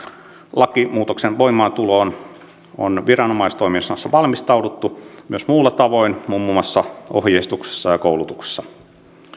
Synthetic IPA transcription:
lɑkimuːt̪oksenʋo̞imˑɑːnt̪uloːn | o̰nʋirɑnomɑist̪oiminsnɑsːɑʋɑlmist̪ɑwdut̪ːumyøsmulːɑt̪ɑʋo̞inmumːumɑsːɑo̰hjeist̪ukse̥sːɑjɑkoulut̪ukse̥sːɑ̥

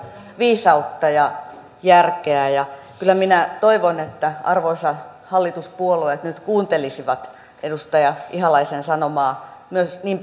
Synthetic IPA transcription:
ʋiːsɑut̪ːɑjɑ | jærkeæjɑ | kylːˑæminæt̪oiʋonet̪ːæɑrʋoisɑ | hɑlːit̪uspuoluet̪nyt̪kuːnt̪elisiʋɑt̪ | edust̪ɑjɑʔihɑlɑisensɑnomɑːmyøsniːm

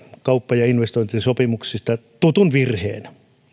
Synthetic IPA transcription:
kɑupːɑjɑinʋest̪oint̪isopimuksist̪ɑt̪ut̪unʋirhḛːn

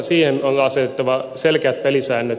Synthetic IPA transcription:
siːhenoŋɑɑset̪et̪ːɑʋɑselkeæt̪̚pelisæːnːøt̪

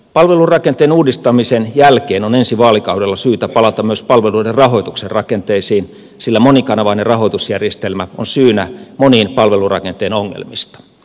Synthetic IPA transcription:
pɑlʋelurɑkent̪eːnuːdist̪ɑmisenjælkeːnonensiʋɑːlikɑuwdelːɑsyːt̪æpɑlɑt̪ɑmyøspɑlʋeluiderrɑɦoit̪ukserrɑkent̪eisiːn | silːæmonikɑnɑʋɑinerɑhoit̪usjærjest̪elmæonsyːnæmoniːnpɑlʋelurɑ̰kent̪eːnoŋːḛlmist̪ɑ̥

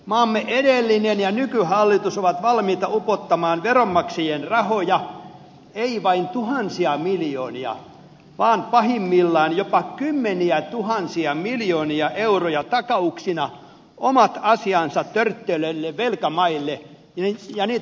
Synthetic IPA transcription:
mɑːmːeʔedelːinenjɑnykyhɑlːit̪usoʋɑt̪ʋɑlmiːt̪ɑupot̪ːɑmɑːnʋeromːɑksejenrɑhojɑ | eiʋɑint̪uhɑnsiɑmiljo̰ːniɑ̰ | ʋɑːnpɑhimːilːɑːnjopɑkymːeniæt̪uhɑnsiɑmiljoːniɑʔeurojɑt̪ɑkɑuksinɑ | ʔomɑt̪ɑsiɑnsɑt̪tørt̪ːeløilːeʋʋelkæmɑilːe | ijɑniːt̪

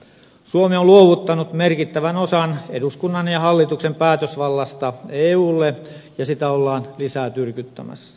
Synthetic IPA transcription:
suomeoluoʋut̪ːɑnut̪merkit̪ːæʋænosɑneduskunːɑnjɑhɑlːit̪uksempæːt̪øsʋɑlːɑst̪ɑeːuːlːejɑsit̪æolːɑːnlisæːt̪yrkyt̪ːæ̰mæ̰sːæ̥

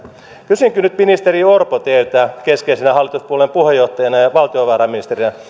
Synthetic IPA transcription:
kysyŋkynyt̪minist̪eriorpot̪eyt̪æːkeskelsenæhɑlːit̪uspuolempuhejoht̪ːɑjɑnɑjɑʋɑlt̪ioʋɑːɾɑminist̪erinɑ

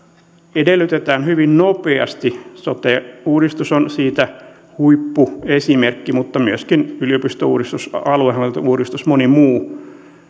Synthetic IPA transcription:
edelːˑyt̪et̪æːnhyʋinnopeɑ̰st̪isot̪euːdist̪usonsiːt̪æ | huipːuesimerkːimut̪ːɑmyøskinylijopist̪ouːdist̪usɑluehɑt̪uːɾist̪usmonimuː

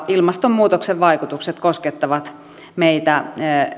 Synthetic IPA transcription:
ilmɑst̪ommːuːt̪okseʋʋɑikut̪ukset̪kosket̪ːɑʋɑt̪ | meit̪æ

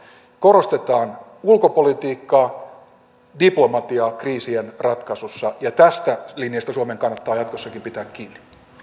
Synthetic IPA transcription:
koɾost̪e̞t̪ɑːn | ulkopolit̪iːkːɑː | diplo̞mɑt̪iɑkriːsienrɑt̪kɑsusːɑjɑt̪æst̪ælinijɑst̪æsuɑmeŋkɑnːɑt̪ːɑːjɑt̪kosːɑkimpit̪æːkkiːnːi̥

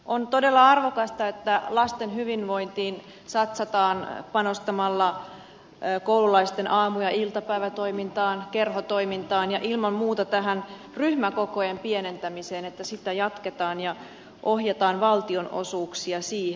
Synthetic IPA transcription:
ʔont̪ode̞lːɑɑrʋokɑst̪ɑet̪ːælɑst̪enɦyʋinʋoint̪iːn | sɑt̪sɑt̪ɑːnpɑnost̪ɑmɑlːɑ | koululɑist̪enʔɑːmujɑʔilt̪ɑpæiʋæt̪oimint̪ɑːnkerɦot̪o̞imint̪ɑːnjɑʔilmɑmmuːt̪ɑt̪æɦæn | ryhmækokojempienent̪æmiseːnet̪ːæsit̪æjɑt̪ket̪ɑːnjɑ | ʔohjɑt̪ɑːnʋɑlt̪ionʔo̰suːksiɑsiːhe

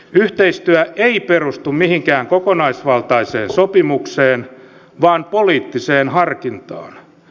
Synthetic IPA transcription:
yht̪eist̪yæʔeiperust̪ummihiŋkæːŋkokonɑisʋɑlt̪ɑisḛːnsopimukseːn | ʋɑːnpoliːt̪ːiseːnhɑrkint̪ɑ̰ːn

